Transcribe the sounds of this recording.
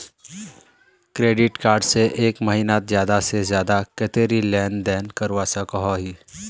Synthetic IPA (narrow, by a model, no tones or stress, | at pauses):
kɾeːɖɪʈkaːɾɖseʔeːkmɐɦiːnat̪zjaːd̪asezjaːd̪aket̪eːɾilɛːnd̪ɛːnkɐɾwasakɐɦoɦiː